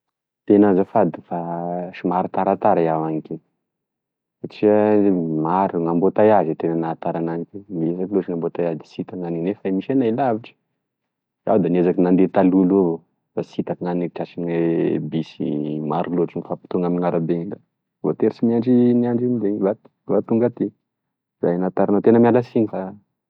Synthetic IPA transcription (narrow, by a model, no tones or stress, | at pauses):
t̪enazafad̪i̥faʃimaɾat̪aɾat̪aɾajawaŋikʲe | saʈ͡ʂiəmaɾuŋambot̪ajazit̪enanaːt̪aɾanaŋikʲeniezakiloʈ͡ʂiŋambot̪ajazd̪isit̪aŋaninefaimiʃenailaviʈ͡ʂə̥ | a̰wd̪aniezakinand̪et̪aluluavo | fasit̪akŋaniiʈ͡ʂasiebisḭmaɾuloʈ͡ʂinifapi̥t̪uŋaminiŋaɾabeɲila | vo̰t̪eɾisimiaɳɖ͡ʐiniaɳɖ͡ʐinib̪eɲva | vat̪uŋɡat̪i | zajnat̪aɾanat̪enəmialasiɲifa